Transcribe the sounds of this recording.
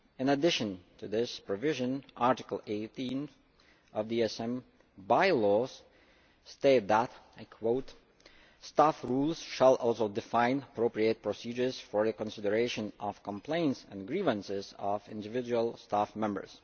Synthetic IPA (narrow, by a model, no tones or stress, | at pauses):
ɨ̃nədɪʃɨ̃ntʰɨðɪspɹɔvɪʒɨ̃nʔaɹtɪkl̩ˠeɪtĩn | ʔʌvðiɛsɛ̃m | baɪlɔz̥ | steɪt̪̚ðətaɪkʰwoʊt | stafɹulˠz̥ʃəlˠɔlˠsoʊdɨfãɪ̃nəpʰɹoʊpɹieɪt̚pʰɹ̥əsid͡ʒə˞z̥fɔɹðɨkə̃nsɪdə˞eɪʃɨ̃nʌv̥kə̃mpʰl̥ẽɪ̃ntsə̰̃nɡɹivə̃nsɪzʌvɪ̰̃ndɨvɪd͡ʒuəl̩ˠstafmɛ̃mbə̰˞z̥